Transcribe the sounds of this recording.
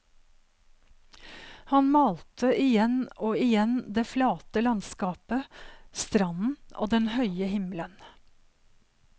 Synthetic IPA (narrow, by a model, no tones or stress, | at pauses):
hɑnmɑːlt̪ʰəʔɪjɛnoːɪjɛnd̪eːflɑːt̪əlɑnskɑːpəst̪ɾɑnn̩ʔo̰ːd̪ɛnhœʏəhɪmlən